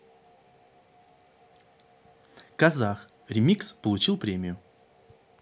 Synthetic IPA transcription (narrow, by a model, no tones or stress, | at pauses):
kɐzax | ɾʲɪmʲikspəlˠʊt͡ɕilˠpɾʲemʲɪjʊ